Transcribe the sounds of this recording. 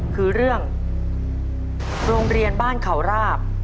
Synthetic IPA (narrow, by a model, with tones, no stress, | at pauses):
kʰɯː˧ɾɯ˥˩əŋ | ɾoː˧ŋɾi˧ənbaː˥˩nkʰa˩˦wɾaː˥˩p̚